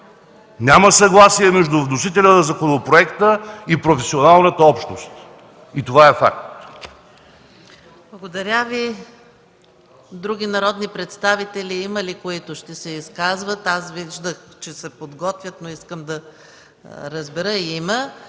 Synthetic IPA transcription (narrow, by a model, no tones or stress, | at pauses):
nʲaməsɐɡlˠasiɛmɛʒd̪ʊvnosit̪ɛlʲənəzɐkonopɾoɛkt̪əipɾofɛsionalˠnət̪əɔpʃnost̪ | it̪ovaɛfa̰k̚t̪ | blˠɐɡod̪ɐɾʲavi | d̪ɾuɡʲinɐɾɔd̪nipɾɛt̪st̪avit̪ɛliiməlikoit̪ʊʃt̪ɛsɛiskazvət̪asviʒd̪əxt͡ʃɛsɛpod̪ɡɔt̪vʲjət̪noiskəmd̪ɐ | ɾəzbɛɾəiimə